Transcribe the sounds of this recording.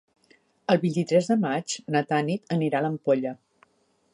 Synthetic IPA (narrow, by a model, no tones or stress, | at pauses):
əlˠβint̪it̪ɾɛzðəmad͡ʒnət̪anit̪əniɾaləmpoʎə